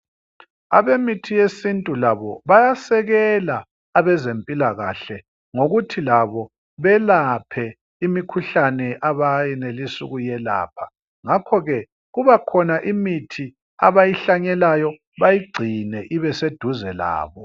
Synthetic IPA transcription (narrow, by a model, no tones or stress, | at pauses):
a̰βemitʰijesintʼulaβɔβajasɛɣɛlaː | βɛzempʼilaɣa̰ːɬɛ | ŋoɣutʰilaβɔ | βɛlapʰɛ | imikʰuɬanɛʔaβajɛnelisuɣujɛla̰ːpʰa | ŋakʰɔɣɛ | ɣuβakʰɔnaʔimitʰi | a̰βajiɬaɲɛlajɔ | βajiɡ͡ǀʱinɛʔiβɛsed̥ʱuzɛla̰ːβɔ